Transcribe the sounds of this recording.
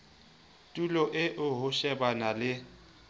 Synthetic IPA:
tʼulɔʔɪʔʊɦʊʃɛbanalɪ

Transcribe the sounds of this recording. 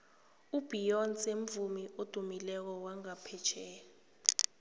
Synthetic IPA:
ub̥ijɔnsemvumiʔod̥ʱumilɛk̬ɔwaŋapʰɛt͡ʃʰɛː

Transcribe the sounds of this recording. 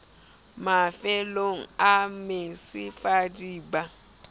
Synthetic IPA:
mafɛloŋ̩amesɪfadiːba

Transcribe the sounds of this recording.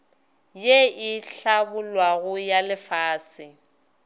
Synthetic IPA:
jeɪɬabʊlwaɣʊjalɪfaːsɪ

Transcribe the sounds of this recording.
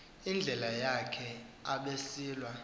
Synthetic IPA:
ind͡ɮʱɛlajakʰɛ | aɓesiːlwa

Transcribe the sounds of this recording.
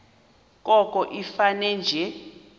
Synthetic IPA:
kʼɔkʼɔʔifanɛnd͡ʒʱɛ

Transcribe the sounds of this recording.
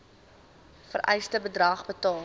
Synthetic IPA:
fəɾʔɛ̰jstəbədrɐχbətɑː

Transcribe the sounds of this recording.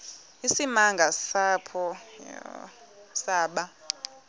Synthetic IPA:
isimaŋɡʱasapʰɔ | saːɓa

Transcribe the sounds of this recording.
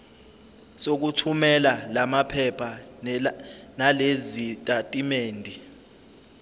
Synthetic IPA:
sok̬utʰumɛlalamapʰɛpʰa | nalezitʼatʼimeːndʱi

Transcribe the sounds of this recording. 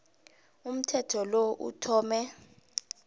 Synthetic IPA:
um̩tʰɛtʰɔloʔṵtʰɔːmɛ

